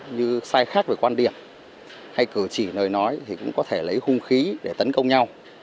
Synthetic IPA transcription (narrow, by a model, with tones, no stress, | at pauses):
ɲɨ˧saː˧jxaː˦˥k̚ve˨˩kwaː˧nɗḭ˧˩əm | ha˧jkɨ˧˩t͡ɕi˧˩nəː˨˩jnɔ˨˦jt̪ʰi˨˩kʊ̰˧˥ŋ͡mkɔ˨˦t̪ʰe˧˩lə˨˦jhʊ˧ŋ͡mxi˨˦ɗe˧˩t̪ə˨˦nkə˧wŋ͡mɲa˧w